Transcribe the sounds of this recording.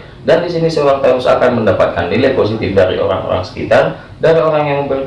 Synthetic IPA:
dandisinisəoɾaŋt̪ausa̰kanməndapat̪̚kandilapos̬it̪ɪfdaɾḭʔo̰ɾa̰ŋo̰ɾa̰ŋsə̥kḭt̪ar | daɾioɾaŋjaŋməmbər

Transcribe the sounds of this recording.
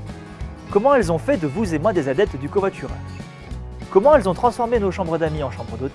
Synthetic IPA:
kɔmɑ̃ɛlzɔ̃fɛd̪əvuzemwɛ̃d̪ezad̪ɛp̚t̪d̪ykovwat̪yʁɛ̰̃ | kɔmɑ̃ɛlzɔ̃t̪χɑ̃sfɔʁmenoʃɑ̃bʁəd̪amiɑ̃ʃɑ̃bʁəd̪ot̪

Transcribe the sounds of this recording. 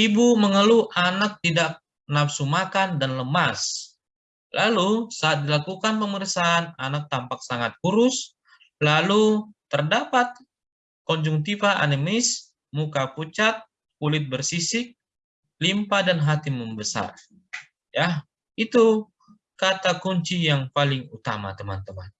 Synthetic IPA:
ibuməŋəluʔanak̚t̪idak̚ | napsumakandanləmas | lalusaːt̪̚dilakukanpəmərsaːnanak̚t̪ampak̚saŋat̪̚kuɾʊs | lalut̪ərdapat̪̚ | kɔɲd͡ʒuŋt̪ifaʔa̰nimɪs | mukaput͡ʃat̪̚ | kulɪt̪̚bərsisɪk̚ | limpadanɦat̪iməmbəsa̰r | ja | it̪u | kat̪akuɲt͡ʃijaŋpalɪŋut̪a̰ma̰t̪əma̰nt̪əma̰n

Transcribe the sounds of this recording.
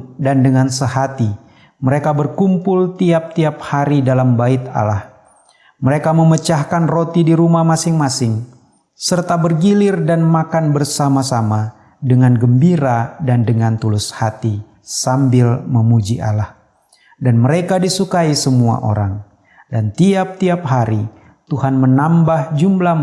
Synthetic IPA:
dandəŋansəhat̪i | məɾekabərkumpʊlt̪iap̚t̪iap̚haɾidalambaɪt̪̚a̰lah | məɾekaməmət͡ʃahkanrot̪idiɾumahmasɪŋmasɪŋ | sərt̪abərɡilɪrdanmakanbərsamasama | dəŋanɡəmbiɾadandəŋant̪ulʊshat̪i | sambɪlməmud͡ʒiʔa̰lah | danməɾekadisukaisəmua̰ʔo̰ɾaŋ | dant̪iap̚t̪iap̚ɦaɾi | t̪uhanmənambahd͡ʒumla

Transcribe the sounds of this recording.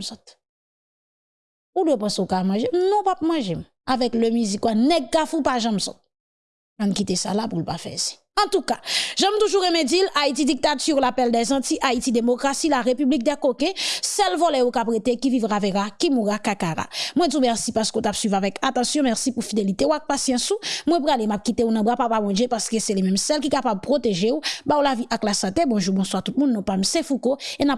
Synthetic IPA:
sɔt̪̚ | udwepãseukamɑ̃ʒemnɔ̃pap̚mɑ̃ʒem | avɛklømyzikwanɛɡ̚kafupaʒãmsɔ̰t̪̚ | mankit̪esalapulpafɛ̰zi̥ | ɑ̃t̪ukaʒãmt̪uʒuʁemẽd͡zilaitidik̚t̪atyʁlapɛldɛzɑ̃tiʔaitid̪emokʁasilaʁepyblik̚d̪ɛkokɛ̃sɛlvɔlɛokapʁet̪ekivivʁaveʁakimuʁakakaʁa̰mw̃ɛ̃dumɛʁsipaʁskotapsɥivavɛkat̪ɑ̃sjɔ̃mɛʁsipufid̪elit̪eoak̚pasjɑ̃sumw̃ɛ̃p̬ʁalemap̚kit̪eunɐ̃bapapamɔ̃d͡ʒepaʁskøsɛlemɛmsɛlkikapab̚pʁot̪eʒeubaulaviʔaklasɑ̃t̪ebɔ̃ʒubɔ̃swaʁt̪ut̪̚mũnːɔ̃pamsɛ̃fukoenap̚

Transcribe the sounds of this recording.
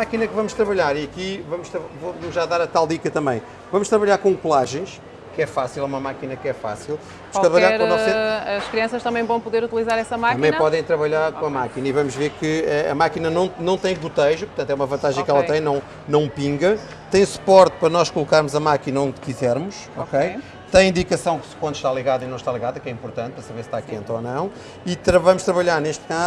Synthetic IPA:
makinɐkvɐmʊʃt̪ɾɐβɐʎaɾiɐkivɐmuʃt̪ɾɐvovɐmuʒaðaɾɐt̪alˠd̪ikɐt̪ɐ̃mɐ̃j̃ | vɐmuʃt̪ɾɐβɐʎaɾkõkulˠaʒɐ̃j̃ʃ | kɛfasilˠɛumɐmakinɐkɛfa̰silˠ | ɐʃat̪ɾɐβɐʎaɾɛɾseɐʃkɾiɐ̃sɐʃt̪ɐmɐ̃j̃vɐ̃w̃puðeɾut̪ilˠizaɾɛsɐmak̪ɐmɐ̃jpɔðɐ̃j̃t̪ɾɐβɐʎaɾkõɐmakinɐivɐmuʒveɾkɨɛɐ̰makinɐnɐ̃w̃nɐ̃w̃t̪ɐ̃j̃but̪ɐjʒupuɾt̪ɐ̃t̪wɛumɐvɐ̃nt̪aʒɐ̃kɛlˠɐɐ̃j̃nɐ̃w̃ | nɐ̃w̃pĩŋɡɐ | t̪ɐ̃j̃su̥pɔɾt̪̚pɐɾɐnɔʃkulˠukaɾmuzɐmakinɐõd̪kizɛɾmuʃ | ɔkej | t̪ɐ̃j̃ĩnd̪ikɐsɐ̃w̃kkwɐ̃nd̪uʃt̪alˠiɣaðɐinɐ̃w̃ʃt̪alˠiɣaðɐkɛĩmpuɾt̪ɐ̃nt̪̚pɾɐsɐβeɾst̪akẽnt̪ɔnɐ̃w̃ | it̪ɾɐvɐmuʃt̪ɾɐβɐʎaɾneʃt̪̚ka

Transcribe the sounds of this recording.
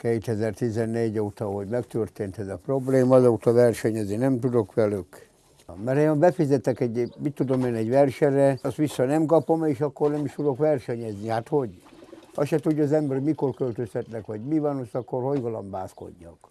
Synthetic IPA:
keːt̪ɛzɛrt̪izɛnːeːɟoːt̪ɒɦo̞ɟmɛkt̪ørt̪eːnt̪ɛzɒpro̞bleːmɒzɒut̪ɒʋɛrʃɛɲɛzninɛmt̪ud̪o̞kʋɛlyk | mɛɾembɛfizɛt̪ɛkɛɟmit̪ːud̪omeːnɛɟʋɛrʃɛrɛɒst̪ʋisːɒnɛmkɒpo̞meːʃɒkːornɛmiʃt̪ud̪o̞kʋɛrʃɛɲɛznihaːt̪ho̞ɟhɒʃɛt̪uɟːzɛmbɛɾmiko̞rkølt̪øst̪ɛt̪nɛkʋɒɟmivanosɒkːorhojɡɒlɒmbaːsko̞̰ɟːɒ̰k

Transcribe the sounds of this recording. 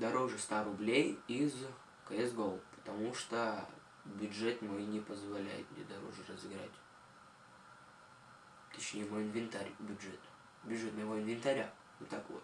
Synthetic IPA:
d̪ɐɾoʐɨst̪aɾʊblʲejiz | kɐɛsɡolˠpə̥t̪ɐmuʂt̪o | bʲʊdʐɛt̪mojnʲɪpəzvɐlʲæ̰jɪ̰t̪mʲed̪ɐɾo̰ʐɨrəzɨɡɾa̰tʲ | t̪ʲət͡ɕnʲejɪvoɪnvʲɪnt̪aɾʲbʲʊdʐɛt̪ | bʲʊʐɛt̪məɪvoɪnvʲɪnt̪ɐɾʲa | vot̪ːakvo̰t̪

